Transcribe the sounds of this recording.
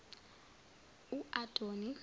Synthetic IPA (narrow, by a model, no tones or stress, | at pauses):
uʔatʼoni